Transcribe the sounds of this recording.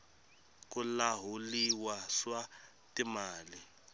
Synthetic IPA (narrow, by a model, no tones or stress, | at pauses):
k̬ʼulaɦuliwaswa | timaːli